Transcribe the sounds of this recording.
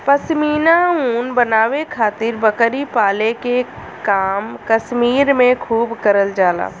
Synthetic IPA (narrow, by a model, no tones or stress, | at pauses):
pɐsmiːnauːnbɐnaːʋekʰaːt̪ɪɾbɐkəɾipaːleke | kaːmkɐsmiːɾmẽkʰuːbkəɾəld͡ʒaːla̰ː